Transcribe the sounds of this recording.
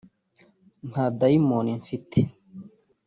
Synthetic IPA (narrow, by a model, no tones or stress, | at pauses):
n̥hadaimoniɱfitʰe̥